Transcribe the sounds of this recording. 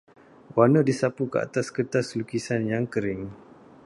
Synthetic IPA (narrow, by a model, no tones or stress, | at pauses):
wanədisapukəa̰t̪askət̪aslukisanjaŋkəɾɪŋ